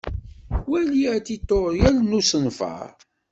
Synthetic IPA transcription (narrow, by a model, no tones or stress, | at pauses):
wæliæt̪it̪ːoɾˤjælnusənfə̰